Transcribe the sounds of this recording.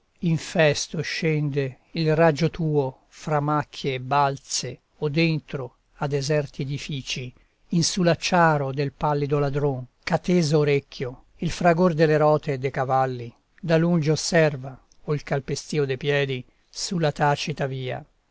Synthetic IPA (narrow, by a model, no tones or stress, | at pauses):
iɱfɛst̪oʃːɛnd̪e | ilrad͡ʒot̪uːo | fɾamːakʰːjeːbːalt̪se | od̪ent̪ɾo | ad̪ːezɛrt̪ied̪ifiːt͡ʃi | insulat͡ʃːaːɾod̪elpalːid̪olad̪ɾoŋkat̪eːzoːɾekʰːjo | ilfɾaɡord̪elːeɾɔːt̪eːd̪ːejkavalːi | d̪alund͡ʒosɛrva | oilkalpest̪iːod̪epjɛːd̪i | sulːat̪aːt͡ʃit̪aviːa̰